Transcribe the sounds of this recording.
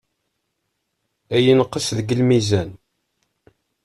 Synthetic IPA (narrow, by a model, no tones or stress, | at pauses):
æjinəqːəsðəɡəlmizæn